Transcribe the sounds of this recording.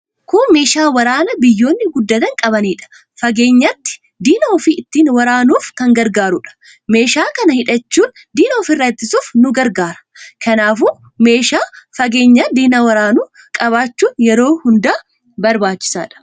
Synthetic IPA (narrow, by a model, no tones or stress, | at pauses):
kʊme̞ːʃaːwɐɾaːnɐbɪjːo̞ːnːɪɡʊd̪ːɐt̪ɐŋkʼɐbɐniːᶑɐ̥ | fɐɡe̞ːɲːɐt̪ːɪ̥ | d̪iːnɐɔfiɪt̪ːiːnwɐɾaːnuːfkɐŋɡɐɾɡaːɾʊᶑɐ̥ | me̞ːʃaːkɐnɐhɪᶑɐt͡ʃːuːn | d̪iːnɐɔfɪrːɐt̪ːɪsuːfnʊɡɐɾɡaːɾɐ̥ | kɐnaːfuː | me̞ːʃaːfɐɡe̞ːɲːaːd̪iːnɐwɐɾaːnuː | kʼɐβaːt͡ʃːuːnjɛɾo̞ːhʊnd̪aː | bɐɾbaːt͡ʃːɪ̥sa̰ːᶑɐ̥